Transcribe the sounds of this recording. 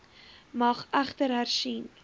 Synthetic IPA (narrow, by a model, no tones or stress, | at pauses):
mɐχʔæχtəɾɦærsin